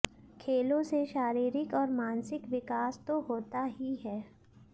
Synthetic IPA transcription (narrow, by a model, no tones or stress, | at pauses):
kʰeːlõseʃaːɾiːɾɪkɔːɾmãːnsɪkʋɪkaːst̪oɦoːt̪aɦiɦɛː